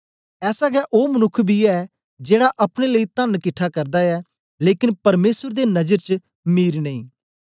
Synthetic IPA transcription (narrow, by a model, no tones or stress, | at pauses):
ɛːsaɡɛʔoːmənʊkʰːbʱiɛː | d͡ʒeːɽaʔɐpɽ̃eːləiːt̪ənkɪʈʰːaːkəɾd̪aːɛː | leːkɪnpɐɾmeːsəɾd̪eːnɐd͡ʒəɾt͡ʃ | miːɾnə̃ĩː